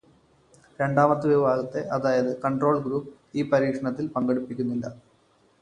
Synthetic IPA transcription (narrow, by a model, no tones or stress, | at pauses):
ɾe̞ɳɖaːmɐt̪ːɨʋibʱaːɡɐt̪ːe̞ʔɐðaːjɐðɨkɐɳɖro̞ːɭɡɾuːp | iːpɐɾiːkʂɐɳɐt̪ːilpɐŋɡeɽipːikʲːunːilːɐ